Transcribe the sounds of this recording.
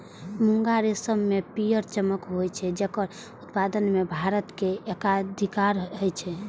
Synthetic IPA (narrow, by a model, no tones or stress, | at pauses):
muŋɡaɾesəmːepijəɾt͡ʃəməkɦojt͡ʃʰɛd͡ʒekəɾ | ut̪pad̪ənmebʱaɾət̪keekad̪ʱikaɾɦəjt͡ʃʰɛ